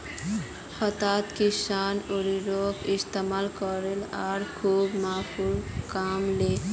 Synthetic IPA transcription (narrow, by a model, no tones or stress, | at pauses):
xɔt̪at̪kisanoɾiɾokist̪emalkɔɾelaɾkʰubmaːpʰulkamle